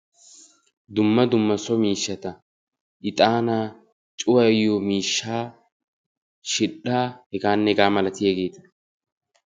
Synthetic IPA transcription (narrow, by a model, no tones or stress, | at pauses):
d̪ʊmːɐd̪ʊmːɐsɔmiːʃːɐt̪ɐ | ʔɪt̪ʼaːnaː | t͡ʃʼʊwɐjomiːʃːaː | ʃɪɗːaːhɛɡaːnːɛɛɡaːmɐlɐt̪ɪɛɡe̞ːt̪ɐ̥